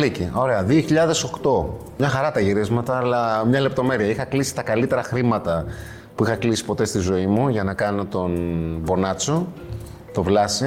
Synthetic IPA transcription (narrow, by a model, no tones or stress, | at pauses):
licio̞ɾe̞ɐðioçiʎɐðe̞so̞kt̪o̞ | mɲɐxɐɾɐt̪ɐʝiɾizmɐt̪ɐːlɐmɲɐle̞p̚t̪o̞me̞ɾiɐixɐklisi̥t̪ɐkɐlit̪e̞ɾɐxɾimɐt̪ɐ | puixɐklisi̥po̞t̪e̞st̪izo̞imuʝɐnɐkɐno̞t̪o̞nbo̞nɐt͡so | t̪o̞vlɐsi